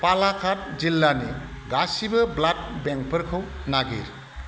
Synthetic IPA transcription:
palakʰat̚d͡ʒilːani | ɡasibəblat̚bɛŋk̚pʰəɾkʰɯwnaɡḭɾ

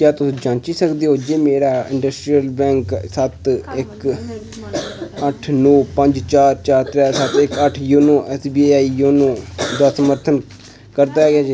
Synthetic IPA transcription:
kjaːt̪ʊsĩːd͡ʒãːnt͡ʃiːsəkd̪eːɦoːd͡ʒeːmeːɾaːɪ̰̃ɳɖəsʈɾijəlbɛ̃ːŋksət̪ɪk | əʈʰnoːpəɲd͡ʒt͡ʃaːɾt͡ʃaːɾt̪ɾɛːsət̪ɪkəʈʰjoːnõːʔɛːsbiːaːiːjoːnõːd̪aːsəməɾt̪ʰən | kəɾd̪aːɦɛɡɪaːd͡ʒe

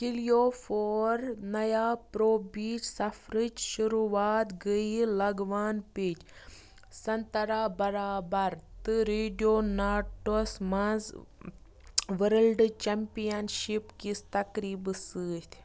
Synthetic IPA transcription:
kilijoːfoːɾnɐjaːpɾoːbiːt͡ʃsɐfʰɾɨt͡ʃʃuɾuaːt̪ɡəilɐɡʋaːnpiːt͡ʃ | sɐnt̪ɐɾaːbɐɾaːbɐɾt̪ɨɾeːɖijoːnaːʈosmɐz | ʋəɾəlɖt͡ʃɐmpijɐnʃipkist̪ɐkɾiːbsɨːt̪ʲʰ

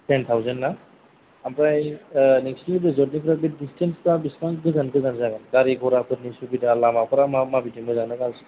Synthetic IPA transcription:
tent̪ʰawzanːa | ampɾajnekstibɯzɔt̚nipʰɾabidistʰenspɾabismaŋɡɯzanɡɯzanzaɡanɡaɾiɡʰʱɔɾakʰɯt̚nisubidalamapʰɯɾamamabitimɡɯzanɯkalsɯ̥

